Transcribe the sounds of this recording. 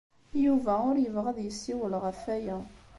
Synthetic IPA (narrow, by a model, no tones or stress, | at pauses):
juvæʊɾjəvʁəðjəsːiwəlʁəfæjæ